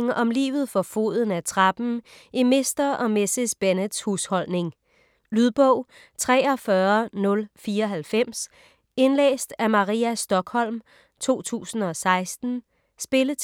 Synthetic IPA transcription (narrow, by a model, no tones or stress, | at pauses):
ŋɒ̽mlḭːʋð̞̩ˠfɒ̽fo̝̰ð̞ˠn̩æt͡sʰʁɑb̥n̩ | ime̝sd̥ɐɒ̽mesesb̥enəd̥shuːshɒ̽l̰ne̝ŋ | lyðˠb̥ɔ̽ʊ̰ | t͡sʰʁɛ̰ːɒ̽fɶɐnɔ̽lfiːɐɦælfem̰s | e̝nlḛːsd̥æmɑ̈ʁiæsd̥ɒ̽ɡ̥hɒ̽l̰m | t͡sʰo̝̰ːt͡sʰṵːsn̩ɒ̽sɑ̈ɪsd̥n̩ | sb̥e̝lə